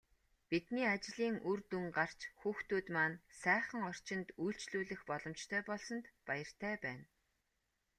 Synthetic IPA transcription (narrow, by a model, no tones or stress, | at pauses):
pit̪niːat͡ɕɮiːŋʔurt̪uŋɢar̥t͡ɕxuːxt̪uːt̪maːnsæːχə̆ŋɔr̥t͡ɕɪ̆nt̪ujɬt͡ɕɮuːɮɘ̆xpɔɮɞ̆mt͡ɕt̪ʰœːpɔɮsɞ̆nt̪pajə̆r̥t̪ʰæːpæːn